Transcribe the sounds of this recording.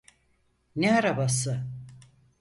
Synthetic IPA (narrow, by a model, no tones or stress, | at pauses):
neaɾabasɯ